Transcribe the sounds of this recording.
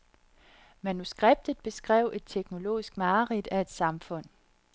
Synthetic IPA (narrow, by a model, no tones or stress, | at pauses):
mænusɡ̥ʁeb̥̚d̥ð̩ˠb̥e̝sɡ̥ʁɛ̰ʊʔe̝d̥̚t͡sʰeɡ̥no̝lo̝̰ːisɡ̥mɑ̈ːʁid̥æe̝d̥sɑ̈mfɔ̽n̰